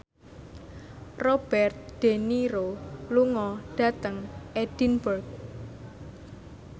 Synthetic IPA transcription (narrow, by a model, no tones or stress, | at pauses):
rɔb̥ɛrt̪̚d̪̥e̤niɾoluŋɔɖ̥a̤t̪əŋʔed̥inbərk̚